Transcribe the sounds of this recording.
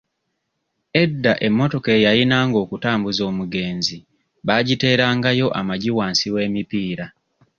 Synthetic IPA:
e̞dːaʔe̞mːo̞to̞kejajinaːŋɡo̞ːkutaːmbuzo̞ːmuɡe̞ːnzi | βaɟite̞ːɾaːŋɡajo̞ʔamaɟiwaːnsiwe̞ːmipiːɾa

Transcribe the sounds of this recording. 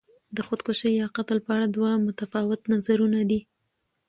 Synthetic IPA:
d̪əxod̪koʃəjjɑqat̪əlpəaɽad̪wamʊt̪afɑwɪt̪nazaɾunad̪i

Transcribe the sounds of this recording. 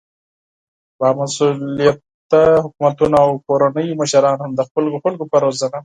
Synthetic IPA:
bamasulijat̪ː | aɦʊkmat̪unaawkoɾanəjməʃaɾɑːnhamd̪əxʊlɡoxʊlkopɐɾozana

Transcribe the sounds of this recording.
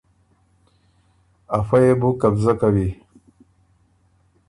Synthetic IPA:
afajebukabzakawi

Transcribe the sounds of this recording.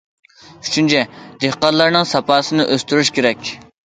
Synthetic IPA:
y̥t͡ʃʰynt͡ʃʰɛd̪ehqɑt̪lˠɑɾnɨŋsɑpɑːsɨnɨʔøst̪yɾyʃkʲʰeɾɛkʲ

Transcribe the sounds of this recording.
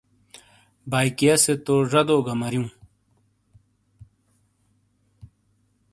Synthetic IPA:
baːjkijɐset̪oːʐɐd̪oːɡɐmɐɾjũː

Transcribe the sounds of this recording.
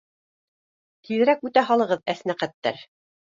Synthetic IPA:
t̪ʰiðɘ̆ɾækʉt̪æɦɑlˠɤ̆ʁɤðæsnæqæt̪ːæ̰ɾ

